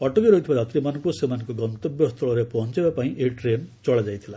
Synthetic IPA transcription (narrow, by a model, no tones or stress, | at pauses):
ɔʈɔkeɾɔɦit̪ʰibaat̪ɾimankusemanɔ̃kɔɡɔnt̪ɔbjɔst̪ʰɔɭɔɾepɔɦɔnt͡ʃibapaĩʔeʈɾemt͡ʃɔɭad͡ʒajt̪ʰila